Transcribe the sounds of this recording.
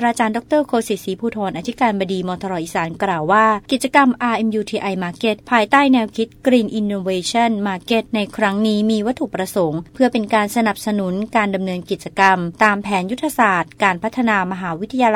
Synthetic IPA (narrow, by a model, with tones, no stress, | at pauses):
ɾaː˧t͡ɕaː˧ndɔ˦˥k̚t̪ɤː˥˩kʰoː˧si˨˩siː˨˩˦pʰuː˧t̪ʰɔː˧nʔa˧t̪ʰi˦˥kaː˧nbaː˧diː˧mɔː˧t̪ʰɔ˧ɾɔː˧ʔi˨˩saː˩˦nklaː˨˩wːaː˥˩ki˨˩t̪̚t͡ɕa˧ka˧mʔaː˧ʔe˧mjuː˧t̪ʰiː˧ʔa˧jmaː˧ke˦˥t̪̚pʰaː˧jt̪aː˥˩jnɛː˧wkʰi˦˥t̪̚kɾiː˧nʔi˧nːoː˧weː˧t͡ɕʰɔ˥˩nmaː˧˩ke˧˥t̪̚na˧jkʰɾa˦˥ŋniː˦˥miː˧wa˦˥t̪ʰːu˨˩pɾa˧so˩˦ŋpʰɯ˥˩ɐpe˧nkaː˧nsa˧na˨˩p̚sa˧nu˩˦nkaː˧nda˧mnɤː˧nki˨˩t̪̚t͡ɕa˧ka˧mt̪aː˧mpʰɛː˩˦nju˦˥t̪ʰːa˧saː˨˩t̪̚kaː˧npʰa˦˥t̪ʰːa˧naː˧ma˧ɦaː˩˦wi˦˥t̪ʰa˧ja˧l